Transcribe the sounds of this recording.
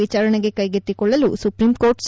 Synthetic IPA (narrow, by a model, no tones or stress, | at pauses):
it͡ʃaːɾɐɳeɡe̞kɐjɡet̪ːikɔɭːɐlṵsupɾimko̞ːɾʈs